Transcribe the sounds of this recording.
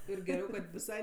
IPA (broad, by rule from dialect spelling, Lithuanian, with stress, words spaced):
ɪr ɡʲɛˈrʲɛʊ kɐt ʋʲɪˈsɐɪ